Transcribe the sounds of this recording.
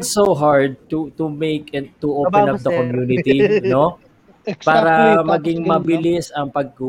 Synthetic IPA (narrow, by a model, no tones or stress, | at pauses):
d̪soɦaɹd̪̚t̪ut̪ʊmejkɛn̚t̪uʔowpɛnɐp̚d̪ɐkomjuːnɪt̪ino | paːɾɐmɐɡɪŋmɐbɪlɪsɐŋpɐɡ̚ku